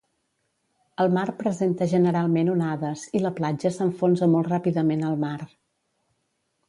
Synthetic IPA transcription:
əlˠmarpɾəzent̪əʒənəɾalˠmenunaðəziləplad͡ʒəsəɱfonzəmɔlˠt̪rapiðəmenəlˠmar

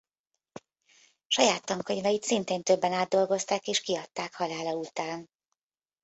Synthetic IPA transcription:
ʃɒjaːt̪ːɒŋkoɲvɒjit̪sint̪eːnt̪øbːɛnaːd̪̚ːo̞lɡo̞st̪aːkeːʃkiɒt̪ːaːkhɒlaːlɒut̪aːn

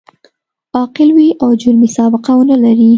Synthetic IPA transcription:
ɑqɪlwiʔawd͡ʒʊɾmisɑbɪqawnəlaɾi

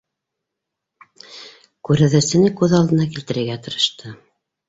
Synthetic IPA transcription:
kʉɾɘ̆ðɘ̆sɘ̆nɘkʉðɑlˠd̪ɤ̆nɑkilt̪ɘ̆ɾɘ̆ɾɡæt̪ɤ̆ɾɤ̆ʃt̪ʰɤ

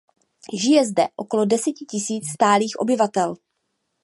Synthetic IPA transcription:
ʒɪjɛzdɛʔo̞ko̞lo̞dɛsɛcɪcɪsiːt͡sst̪aːliːxʔo̞̰bɪvat̪ɛl

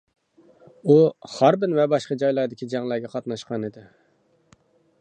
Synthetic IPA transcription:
uhɑɾbɪnvɛbɑʃqɑd͡ʒɑjlˠɑɾd̪ɪkʲʰid͡ʒɛŋlˠæɾɡʲɛqʰɑt̪nɑʃqɑnɪd̪ɪ

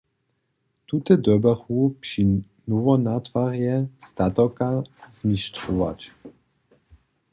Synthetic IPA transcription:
t̪ut̪ɛd̪ɔbɛχupʂi | nɔvɔnat̪faʁjɛst̪at̪ɔkaz̥mʲiʃtʂɔva̰t͡ɕ

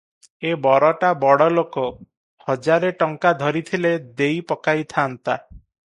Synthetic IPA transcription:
ebɔɾɔʈabɔɽɔlokɔ | hɔd͡ʒaɾeʈɔŋkad̪ʱɔɾit̪ʰiled̪ejpɔkajt̪ʰant̪a

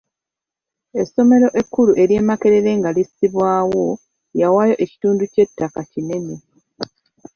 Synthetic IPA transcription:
e̞so̞me̞ɾo̞ʔe̞kːuluʔe̞ɾje̞ːmake̞ɾe̞ɾe̞ŋɡalisiβwaːwo̞ | jawajo̞ʔe̞ci̥tuːnduce̞tːakacine̞ne

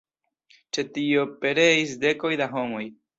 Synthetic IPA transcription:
t͡ʃe̞tio̞pe̞ɾe̞isde̞ko̞jdaɦo̞mo̞j

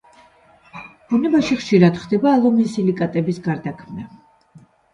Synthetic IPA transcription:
bɔnɛbaʃiχʃiɾad̪̥χd̪ɛbaːlˠɔmisilikʼat̪ʼɛbisɡaɾd̪akʰmna

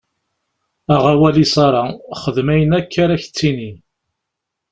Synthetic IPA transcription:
æʁawælisɑɾˤɑχəðmæjənækʰːaɾæç̥t͡sːini

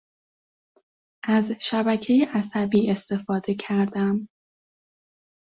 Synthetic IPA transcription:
ʔæzʃæbæcʰe̞jeʔæsæbiːe̞st̪e̞fɒːd̪e̞cʰæɾd̪æm

